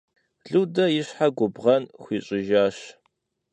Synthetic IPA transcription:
ɮuwdɐjɪɕħaɡʷʊbʁɐnxʷiːɕʼɪʒaːɕ

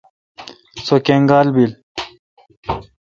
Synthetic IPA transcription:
sokeŋɡaːlbil

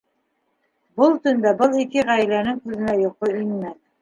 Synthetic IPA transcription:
bɤlˠt̪ɵ̆nd̪æbɤlˠikɘʁæjlænɘŋkʉðɘ̆næjŏqoinmæn

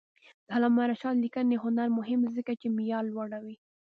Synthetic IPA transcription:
d̪̥alamaɾaʃɑnlikəneɦʊnaɾmʊɦɪmzəkat͡ʃemijɑlːwaɽawi

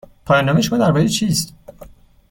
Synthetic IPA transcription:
pʰɒːjɒːnːɒːmeʃomɒːd̪æɾbɒːɾet͡ʃʰiːst̪

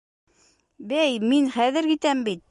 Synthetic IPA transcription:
bæjminχæðɘ̆ɾkit̪æmbit̪̚

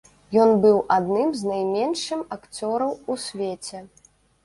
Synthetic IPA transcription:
jɔnbɨwʔad̪nɨmznajmʲɛnʂɨmakt͡sʲɔɾɐwusʲvʲet͡sʲɛ

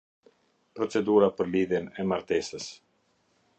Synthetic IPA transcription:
pɾɔt͡sɛd̪uɾapəɾliðjɛnɛmaɾt̪ɛsəs

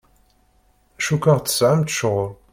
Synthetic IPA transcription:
æʃukaʁt͡sːə̥sʕamt̪ʃəʁʊl

